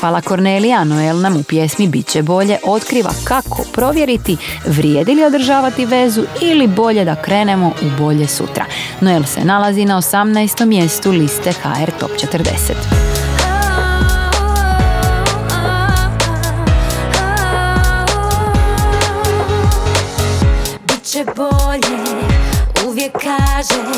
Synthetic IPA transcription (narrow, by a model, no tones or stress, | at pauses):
palako̞ɾnelijanoelnamupje̞smibit̪t͡ɕebo̞ʎe̞ʔo̞t̪kɾiːʋa̰kakʰo̞̰pɾo̞ʋje̞ɾit̪i | ʋɾjed̪ilio̞d̪r̩ʒaːʋat̪iʋe̞zuilibo̞ʎe̞d̪akɾe̞ːne̞mo̞ʔubo̞ʎe̞sṵt̪ɾa̰noelˠsḛnalazinao̞samnajst̪o̞mːje̞st̪ulist̪e̞xa̰eɾt̪o̞̰pt͡ʃe̞t̪əɾd̪ḛset̪ha | bitt͡ɕɛboʎe | uʋjekʰːaʒɛ